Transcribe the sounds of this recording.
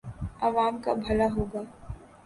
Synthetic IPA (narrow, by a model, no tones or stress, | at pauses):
aːʋaːmka̰bʱɐlaɦoːɡaː